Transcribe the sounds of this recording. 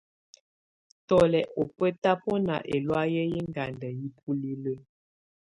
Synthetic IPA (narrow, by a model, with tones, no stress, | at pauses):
tɔ˨lɛ˨ʔo˨pə˦ta˦po˦na̰˨ʔe˨lwa˦jə˦ji˦ŋɡa˨ndə˨ji˦p̚ʰu˦li˦lə˦